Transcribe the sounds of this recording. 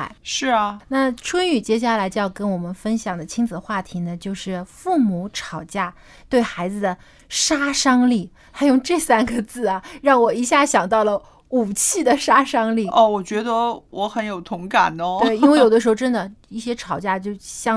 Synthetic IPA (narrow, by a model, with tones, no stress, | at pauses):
ʂɻ̩˥˩ɐ˩na˥˩ʈ͡ʂʰə˥ny˨˩t͡ɕjɛ˥ɕ̬ja˥˩la˧˥ɪo˥˧jɑ˥˧˩kə˥nwɔ˨˩mə˦nfə˥nɕjɑ˨˩ŋd̪ə˦t͡ɕʰi˥ŋd͡zɹ̩˨˩xwa˥˩t̪ʰi˧˥nə˧t͡ɕjo˥˧ʊʂɻ̩˥˩fu˥˩mu˧˥˦ʈ͡ʂʰɑ˨˩ʊt͡ɕja˥˩ | t̪we˥˩ɪxa˧˥ɪd͡zɹ̩˧d̪ə˩ | ʂa˥ʂɑ˥ŋli˥˩ | t̪ʰa˥jʊ˥˧ŋʈ͡ʂɤ˥˩sa˥nɡə˨t͡sɹ̩˥˩ɐ˩ɻɑ˥˩ŋwɔ˨˩i˧˥ɕja˥˩ɕjɑ˨˩ŋt̪ɑ˥˩ʊlə˩ | u˨˩t͡ɕʰi˥˩d̪ə˩ʂa˥ʂɑ˥ŋli˥˩ɔ˧˩wɔ˨˩t͡ɕɥɛ˧˥d̪ə˧wʔɔ˧˥xə˧˥njo˨˩ʊt̪ʰʊ˧˥ŋka̰˨˩nə˦we˥˩ɪi˥nwe˥˩jo˨˩ʊd̪ə˦ʂɻ̩˧˥xo˥˧ʊʈ͡ʂə˥nd̪ə˨i˥˩ɕjɛ˥ʈ͡ʂʰɑ˨˩ʊt͡ɕja˥˧t͡ɕjo˥˧ʊɕjɑ˥˧